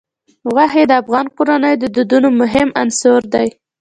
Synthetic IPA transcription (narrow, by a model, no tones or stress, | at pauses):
ɣaɦed̪əafɣɑnqoɾanəjod̪əd̪ud̪unomʊɦɪmansoɾd̪aj